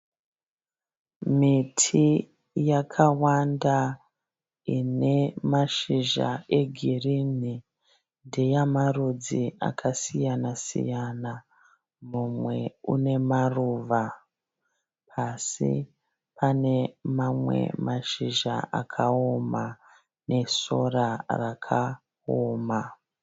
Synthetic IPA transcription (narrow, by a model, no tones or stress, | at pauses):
mitʰi | jakʰawanda | ine̞maʃiʒa̰ʔe̞ɡʱirini | ndejamarud͡zia̰kʰasijanasḭjana | mumwe̞ṵne̞maruːʋa | pʰasḭ | pane̞mamwe̞̰maʃiʒa̰ʔa̰kʰao̞ma | ne̞so̞rarakʰa | oːma